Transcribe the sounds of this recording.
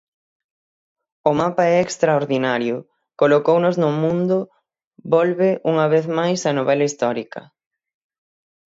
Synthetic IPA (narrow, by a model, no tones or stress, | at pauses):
ʊmapaɛekst̪ɾaoɾðinaɾjʊ | kolokownʊznʊmũnd̪ʊ | bɔlβeʔuŋɐβeθmajsɐnoβɛlɐist̪ɔɾikɐ